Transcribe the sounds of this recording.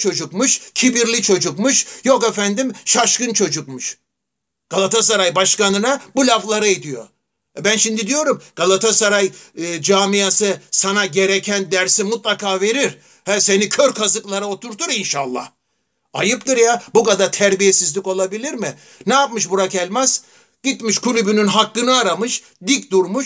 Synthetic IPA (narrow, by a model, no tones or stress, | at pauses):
t͡ʃʰo̞d͡ʒukmuʃcʲʰibiɾlʲit͡ʃʰo̞d͡ʒukmɯʃjokefænd̪imʃaʃkɯnt͡ʃʰo̞d͡ʒuk̚mɯʃ | ɡ̥alˠat̪ʰas̬aɾajbaʃkanɯnabulʲaflˠaɾɯid̪ijo̞̰ | ɛbænʃimd̪id̪ijo̞ɾumɡ̥alˠat̪ʰasaɾajd͡ʒaːmijasɯsanaɟe̞ɾecʰænd̪æɾsimut̪̚lˠakaːve̞ɾiɾ | hæse̞nikʰøɾkʰazɯklˠaɾao̞t̪ʰuɾt̪ʰuɾinʃaːlˠːa̰h | ajɯp̚t̪ɯɾjabukad̪aɾt̪ʰæɾbijesizlʲiko̞lˠabilʲiɾmɪ | nɛjap̚mɯʃ̬buɾakælʲmɛz̥ | ɟ̥it̪miʃkʰulʲybynynɦakːɯnɯaɾamɯʃ | d̪ic̚d̪uɾmuʃ